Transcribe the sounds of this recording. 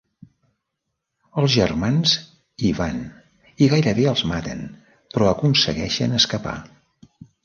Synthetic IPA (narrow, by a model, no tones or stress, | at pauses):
əlˠzʒərmanz | iβan | iɣajɾəβeəlˠzmat̪ə̰n | pɾɔəkunsəɣɛʃə̰nəskəpa̰